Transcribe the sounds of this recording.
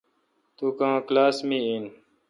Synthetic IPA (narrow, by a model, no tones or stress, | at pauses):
t̪uːkãːklaːsmĩin